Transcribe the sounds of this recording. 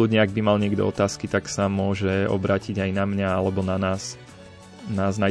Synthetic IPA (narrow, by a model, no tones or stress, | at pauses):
ud̪ɲɛaɡ̚bimalɲɪɛɡd̪ɔ̰ɔt̪aːskit̪aksamʊɔʒɛɔ̰bɾaːciɟajnamɲaalɛbɔnanaːs | naːzna